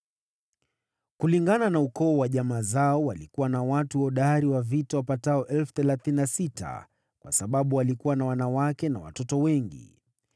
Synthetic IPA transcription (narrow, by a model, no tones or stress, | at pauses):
kuliŋɡananaukɔːwaʄamaːzaɔwalikuwanawatuɔɗaɾiwavitawapataɔʔɛlfuθɛlaθininasitʰa̰ | kwʔa̰saɓaɓuwalikuwanawanawakɛnawa̰tɔtɔwɛŋɡḭ